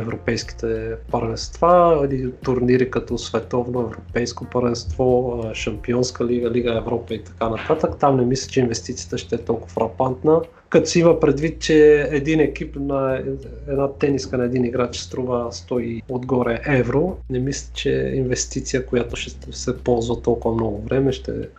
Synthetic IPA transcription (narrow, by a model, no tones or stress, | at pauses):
ɛvɾopɛjsk̟i̥t̪ɛpɐɾvɛnst̪vailit̪ʊɾniɾikɐt̪ɔsvɛt̪ɔvnoɛvɾopɛjskopɐɾvɛnst̪vɔʃɐmpiɔnskəliɡəliɡəɛvɾɔpəit̪ɐ̥kanɐt̪at̪əkt̪amnɛmislʲə̥t͡ʃɛinvɛst̪it̪sijət̪əʃt̪ɛɛt̪ɔlˠkʊ̥fɾɐpant̪nə | kɐt̪ɔsimɐpɾɛd̪vit̪̚t͡ʃɛɛd̪inɛkipnɐɛd̪nat̪ɛniskənɐɛd̪iniɡɾat͡ʃɛ̥st̪ɾuvəst̪ɔiod̪ɡɔɾɛʔɛvɾonɛmislʲit͡ʃɛ̰invɛst̪it̪sijəkʊjat̪ʊʃɛ | sɛpɔlˠzvɐt̪ɔlˠkʊvɐmnɔɡʊvɾɛmɛʃt̪ɛ̰